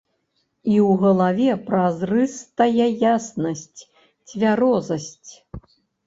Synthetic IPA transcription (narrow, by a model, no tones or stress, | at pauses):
iwɣɐlˠavʲɛpɾazrɨst̪ajɛjasnɐsʲt͡sʲ | t͡sʲvʲaɾɔzɐsʲt͡sʲ